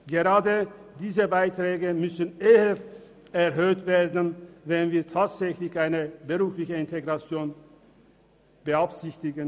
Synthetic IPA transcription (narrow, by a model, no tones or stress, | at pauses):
ɡ̥əʁaːdəd̥iːzəbaɪtʁ̥ɛːɡəmʏsn̩ʔeːɐ | ɛʁɦøːtv̥eːɐdn̩vɛnviːɐtʰaːtz̥ɛçlɪçʔaɪnəbəʁuːflɪçəɪnteɡʁat͡sjoːn | b̥əapz̥ɪçtɪɡən